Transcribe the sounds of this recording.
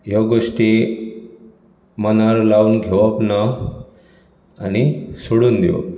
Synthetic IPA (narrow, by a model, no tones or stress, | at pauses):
jaɡoʂʈi | mənaɾlauːnɡʱeʋəpna | anisoɽuːnd̪iʋə̰p